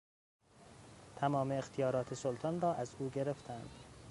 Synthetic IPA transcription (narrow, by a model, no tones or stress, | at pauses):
t̪ʰæmɒːmeːxt̪ʰijɒːɾɒːt̪ʰesolt̪ʰɒːnɾɒːʔæzuːɟe̞ɾe̞ft̪ʰænd̪̥